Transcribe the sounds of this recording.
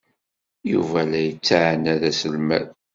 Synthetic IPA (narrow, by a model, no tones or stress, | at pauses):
juvælæjət͡sːaʕnæðæsəlmæ̰ð